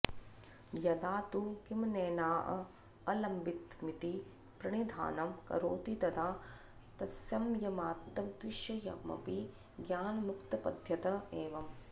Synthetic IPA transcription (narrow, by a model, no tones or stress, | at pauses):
jɐd̪aːt̪ukimneːnaːʔɐ̰ | ɐlɐmbit̪mit̪i | pɾɐɳid̪ʱa̰ːnɐmkɐ̰ɾoːt̪it̪ɐd̪aː | t̪ɐsjɐmjɐmaːt̪ːɐmd̪ɾiʃjɐjɐ̰mɐ̰pi | ɡjaːnɐmukt̪ɐpɐd̪ʱjɐt̪ɐeːʋɐm